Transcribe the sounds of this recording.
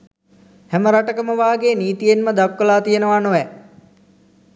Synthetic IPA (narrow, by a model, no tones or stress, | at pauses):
hæməɾaʈəkəməʋaːɡeːniːt̪ijenməd̪akʋəlaːt̪ijənəʋanoʋɛ